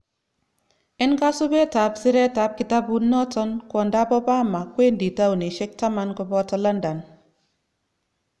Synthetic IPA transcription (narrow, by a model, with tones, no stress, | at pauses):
ɛ˦nka˦su˦be˦ta˨˦psi˦ɾɛ˦ta˨˦p̚ki˦ta˦bu˦nːɔ˦tɔ˦nkʷɔ˨nda˦bɔ˦ba˦ma˨kwe˦ndi˨ta˦u˨ni˨ʃe˦k̚ta˦ma˦nkɔ˦bɔ˦tɔ˦la˦nda˨n